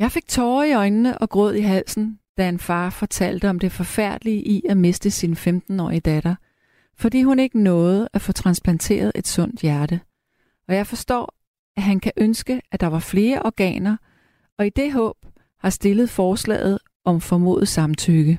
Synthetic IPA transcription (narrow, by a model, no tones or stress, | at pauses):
jɑ̈ɪfe̝ɡ̥̚t͡sʰɒːiɒ̽ɪnːəʔɒ̽ɡ̥ʁɔð̞̰ˠiɦæl̰sn̩d̥æe̝nfɑ̈ːfɒ̽t͡sʰæl̰d̥əɒ̽md̥e̝fɒ̽fæɐ̰d̥liəʔiæme̝sd̥əsinfemd̥n̩ɒ̰ːiəd̥æɾ̥ɐ | fɒ̽d̥ḭːhune̝ɡ̥ənɔ̽ːð̞̩ˠæfɔ̽t͡sʰʁɑ̈nsb̥ʰlænt͡sʰe̝̰ːɐð̞̩ˠʔe̝d̥sɔ̽n̰d̥jæɐɾə | ɒ̽jɑ̈ɪfɒ̽sd̥ɔ̰ː | æɦænkʰæʔønsɡ̥əæd̥ɑ̈ʋɑ̈fle̝ːɐʔɒɡ̥ɛ̰ːnɐ | ɒ̽id̥e̝ɦɔ̰̽ːb̥ | hɑ̈sd̥e̝ləð̩ˠfɒːslɛ̰ːð̞̩ˠ | ʔɒ̽mfɒmo̝̰ːð̩ˠsɑ̈mt͡sʰyɡ̥ə